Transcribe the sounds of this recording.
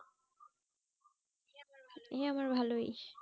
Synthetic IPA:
eamaɾbʱaloi

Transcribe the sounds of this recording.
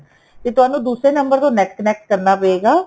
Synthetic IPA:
t̪eːt̪ʊɦaːnũːd̪uːsɾeːnəmbəɾt̪õːnɛːkkənɛːk̚ʈ̚kəɾnaːpəeːɡaː

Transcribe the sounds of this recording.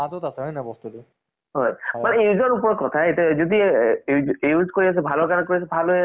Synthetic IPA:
atɔtasɛɔjnabɔst̪utu | ɦɔjmanɛeuzɔɹupɔɹɔkɔtʰaetuzod̪i | euzkoɹias̬ɛbʱalɔɹkaɹɛkoɹias̬ɛbʱalo

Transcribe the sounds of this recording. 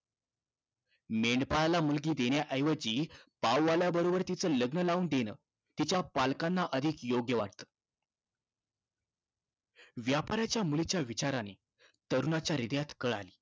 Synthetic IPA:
meɳɖpaɭalamulɡiːd̪eɳjaʔəjʋəd͡ʑiːpawːaljabəɾobəɾt̪it͡səːləɡnəlauːnd̪enə̰ː | t̪it͡ɕjapalkanːaʔəd̪ʱikjoɡjəʋa̰ʈt̪ə̥ː | ʋjapaɾat͡ɕjamulit͡ɕjaʋit͡ɕaɾane | t̪əɾunat͡ɕjaɾid̪jat̪kəɭa̰liː

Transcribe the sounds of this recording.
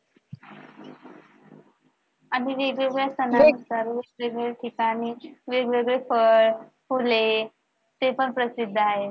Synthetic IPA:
aɽ̃iʋeɡɭeɡɭjast̪ʰənanusaɾʋeɡʋeɡɭɭeʈʰikaɽ̃iʋeɡʋeɡɭefəɭfule | t̪epəɳpɾəsid̪ʱːaɦe

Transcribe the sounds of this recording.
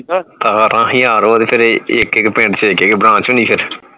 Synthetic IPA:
t̪aːɾʔãːɦĩːaːɾoːt̪eːpʰɪɾɪkɪkpẽɳʈt͡ʃekɪkbɾãːt͡ʃʊniːpʰɪɾ

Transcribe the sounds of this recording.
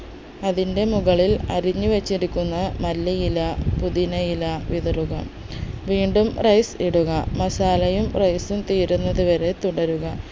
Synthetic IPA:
ɐðinde̞muɣɐɭilɐ̰ɾiɲːuʋɐt͡ɕːiɾikʲːunːɐmɐlːɐjilɐpuðinɐjilɐʋiðɐruɣɐ | ʋiːɳɖumrɐjsiɽuɣɐmɐsaːlɐjumrɐjsumt̪iːɾunːɐðuʋɐɾe̞t̪uɽɐɾuɣɐ

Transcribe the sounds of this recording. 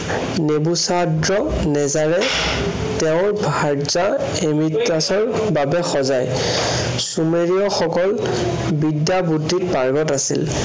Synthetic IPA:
nebusadɹɔ | nɛzaɹɛ | tɛʊ̃ɹbʱaɹd͡ʒa | emitːasɔɹ | babɛxɔzaj | sumeɹiɔxɔkɔl | bidjabudʱːit̚paɹɡɔtasḭl

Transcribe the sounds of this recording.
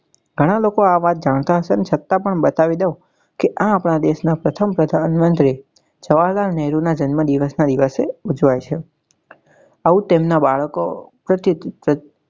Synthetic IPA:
ɡʱəɽ̃alokoaʋat̪̚d͡ʒaɽ̃t̪aɦəʃeənet͡ʃʰət̪ːapəɳbət̪aʋid̪au | keʔãːpɽ̃ad̪eʃnapɾət̪ʰəmpɾəd̪ʱaənmənd̪ɾe | d͡ʒəʋaɭlaɾnɛɾunad͡ʒənməd̪iʋəsnad̪iʋəseud͡ʒʋajt͡ʃʰe | aʋũt̪emnabaɭəkopɾət̪iə

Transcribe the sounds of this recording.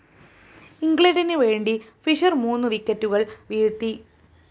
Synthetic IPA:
iŋɡɭɐnɖinɨʋeːɳɖifiʂɐrmuːnːɨʋikːɐtːuɣɐɭʋiɻut̪ːi

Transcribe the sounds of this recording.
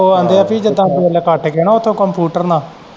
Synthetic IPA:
oːə̃nd̪eːaːpiːd͡ʒəd̪ãːkiəlkəʈʰkeːnãːʊt̪ʰːõːkəmpjuːʈəɾnãː

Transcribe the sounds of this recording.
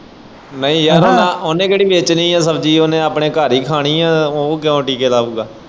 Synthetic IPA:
nəĩːjaːɾoːaoːnẽːkeːɽiːbeːt͡ʃniːɛ̃ːsəbd͡ʒiːoːnẽːaːpɳẽːkaːɾiːkʰaːɽ̃iːɛ̃ːoːkɪõːʈiːkeːlaːuːɡaː

